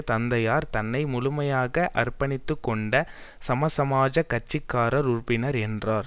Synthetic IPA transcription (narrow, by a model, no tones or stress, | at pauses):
t̪ɐnd̪ɐjaːɾt̪ɐnːɐɪmʊlʊmɐjaːɣɐʔɐrpɐnɪt̪ːɯkːɔɳɖɐ | sɐmɐsɐmaːd͡ʒɐkɐt͡ʃːɪkːaːɾɐɾʊrpɪnɐɾɛndraːɾ